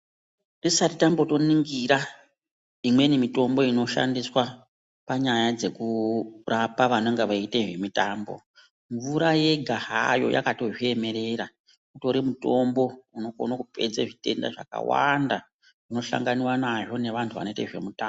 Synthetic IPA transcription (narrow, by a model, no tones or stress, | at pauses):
risaritambo̞to̞niŋɡiɾa | imwe̞nimito̞mbo̞ino̞ʃa̰ndiswa | paɲajad͡ze̞kurapaʋano̞ŋɡeʋaiteʐe̞mitaːmbo̞̰ | ɱvuɾaje̞ɡʱaɦa̰jo̞̰jʔa̰kato̞ʐie̞me̞ɾe̞ɾa | kuto̞ɾimuto̞mbo̞uno̞ko̰nakupe̞̰d͡zeʐite̞̰nda̰ʐa̰ka̰wa̰nda | uno̞ʃa̰ŋɡaniwanaʐo̞ne̞ʋantʰuʋa̰no̞itḛʐe̞muta